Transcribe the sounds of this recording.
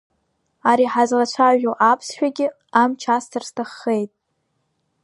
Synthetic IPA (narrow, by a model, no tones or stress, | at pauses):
aɾiħazlat͡ʃʷʰaʒoʔapʰsʃᶣaɡʲɪ | amt͡ʃʰastʰarstʰaχːejtʼ